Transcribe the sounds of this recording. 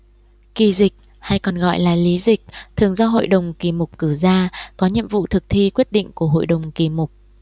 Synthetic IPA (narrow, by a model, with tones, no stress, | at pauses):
ki˨˩zï˨˩k̚ | ha˧jkɔ˨˩nɣɔ̰˧˨jlaː˨˩li˨˦zï˨˩k̟̚t̪ʰɨ˨˩əŋzɔ˧ɦo̰˧˨jɗə˨˩wŋ͡mki˨˩mʊ˨˩k͡p̚kɨ˧˩zaː˧kɔ˨˦ɲḭ˧˨əmvṵ˧˨t̪ʰɨ˨˩k̚t̪ʰi˧kwi˦˥ət̚ɗḭ̈˧˨ŋ̟ku˧˩əɦo̰˧˨jɗə˨˩wŋ͡mki˨˩mʊ˨˩k͡p̚